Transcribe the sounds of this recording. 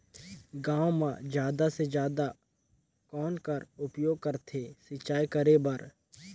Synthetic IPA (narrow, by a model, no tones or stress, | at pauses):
ɡãːwmãd͡ʒjaːd̪ased͡ʒjaːd̪a | kɔːnkəɾʊpjoːɡ̚kəɾt̪ʰeːsɪt͡ʃaːjkəɾebɐɾ